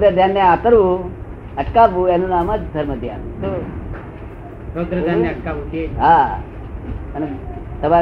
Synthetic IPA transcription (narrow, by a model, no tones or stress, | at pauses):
d̪əd̪ʱjanːeat̪əɾu | əʈkaʋujanunamat͡sd̪ʱəɾməd̪ʱja̰t̪o | sod̪ɾəjanːeəʈ̚kaʋut̪eɦa | ənt̪əʋa